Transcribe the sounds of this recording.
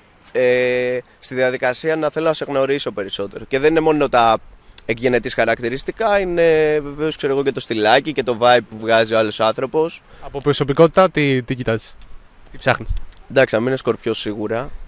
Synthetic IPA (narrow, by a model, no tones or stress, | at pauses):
e | st̪iðiɐðikɐsiɐnɐθe̞lonɐse̞ɣno̞ɾiso̞pe̞ɾiso̞t̪e̞ɾo̞ce̞ðe̞nine̞mo̞no̞t̪ɐekʝe̞ne̞t̪isxɐɾɐk̚t̪iɾist̪ikɐine̞ve̞ve̞o̞skse̞ɾoɣo̞ce̞t̪o̞st̪ilɐcice̞t̪o̞vɐip̚ːuvɣɐzio̞ɐlo̞sɐnθɾo̞po̞s | ɐpopɾoso̞piko̞t̪i̥t̪ɐt̪it̪icit̪ɐzis | t̪ipsɐxnisnd̪ɐksinɐmiinesko̞ɾpço̞siɣuɾɐ